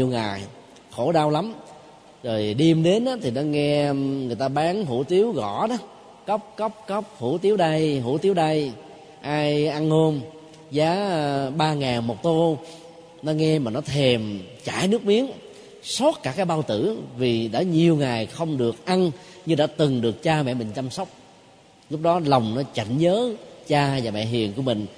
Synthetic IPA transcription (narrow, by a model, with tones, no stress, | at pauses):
ɲi˨˩əwŋaː˨˩j | xo˧˩ɗaː˧wla˨˦m | zo˨˩jɗi˧əmɗe˨˦nʔaː˨˦t̪ʰi˨˩nɔ˨˦ŋɛ˧ŋɨ˨˩əjt̪aː˧ɓaː˨˦ŋɦṵ˧˥t̪i˨˦əwɣɔ̰˧˨nɔ˨˦ | kə˦˥wp̚kə˦˥p̚kə˦˥p̚hṵ˧˩˥t̪i˨˦əwɗa˧jɦṵ˧˥t̪i˨˦əwɗa˧j | ʔaː˧jʔa˧nho˧m | zaː˨˦ɓaː˧ŋaː˨˩ŋmo˨˩t̚t̪o˧ | nɔ˨˦ŋɛ˧maː˨˩nɔ˨˦t̪ʰe˨˩mt͡ɕa̰ː˧˩jnɨ˦˥ək̚mi˨˦ən | so˦˥t̚kaː˧˩kaː˨˦jɓaː˧wt̪ɨ̰˧˩vi˨˩ɗa̰ː˧˥ɲi˨˩əwŋaː˨˩jxə˧wŋ͡mɗɨ˨˩ək̚ʔa˧nɲɨ˧ɗa̰ː˧˥t̪ɨ˨˩ŋɗɨ˨˩ək̚t͡ɕaː˧mɛ̰˧˨mï˨˩ŋ̟t͡ɕa˧msə˦˥wk͡p̚ | lʊ˦˥k͡p̚ɗɔ˨˦lə˨˩wŋ͡mnɔ˨˦t͡ɕa̰˧˨jŋ̟ɲəː˨˦t͡ɕaː˧vaː˨˩mɛ̰˧˨ɦḭ˨˩ənku˧əmï˨˩ŋ̟